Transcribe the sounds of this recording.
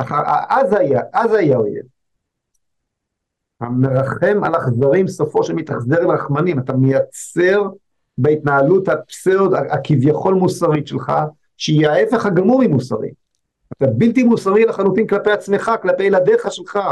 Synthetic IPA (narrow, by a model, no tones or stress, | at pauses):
aχaa̰ʔazajaʔazajao̰jḛv | ha̰meʁaχe̞ma̰laχzaʁimsofo̞ʃelmit̪aχze̞ʁimʁaχmanimat̪amejat͡se̞ʁ | beit̪naaluthapsed̪aakivjaχo̞lmusaʁiʃelχa̰ | ʃeijaaefe̞χhaɡamuʁimusa̰ʁḭ | at̪abiltimusaʁilaχanutimklape̞jat͡sme̞χaklape̞jlad̪eχaʃelχa